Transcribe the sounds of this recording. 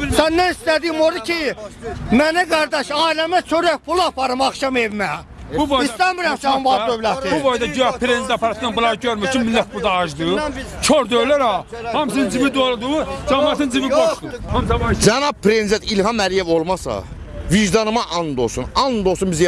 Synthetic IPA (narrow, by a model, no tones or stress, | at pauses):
sænːæist̪æd̪ijimoɾucʰi | mænɛɡɑɾd̪ɑʃɑːilæmæt͡ʃʰøɾæhpʰulˠɑpʰɑɾɯmɑxʃɑmevmæ | buboist̪æmiɾæmsæmvɑɾd̪øvlæt̪iubod̪ɑɟyɑpʰɾend̪ɑpʰɑɾɑt̪ʰnanbulˠɑɾɯɟøɾmyt͡ʃʰynmilːæt̪̚pʰulˠd̪ɑːʒd̪ɯt͡ʃʰoɾd̪øvlæɾɑhɑmsinnd͡ʒimid̪olˠd̪ud͡ʒɑmɑːt̪ʰɯnd͡ʒiviboʃd̪ud͡ʒænɑb̚pʰːɾend̪et̪ilhɑmːælijevolˠmɑsɑ̰ | viʒd̪ɑnɯmɑʔɑnd̪osunɑnd̪osunbiz